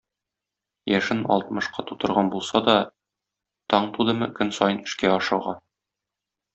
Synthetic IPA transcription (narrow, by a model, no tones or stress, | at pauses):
jæʃɘnɒ̰lˠt̪mɤ̆ʃqɑt̪ut̪ɤ̆ɾʁɑnbulˠsɑd̪ɒ | t̪ɒɴt̪ud̪ɤ̆mɤkɵnsɒjɤnɘ̥̆ʃkæɒʃɤ̆ʁɑ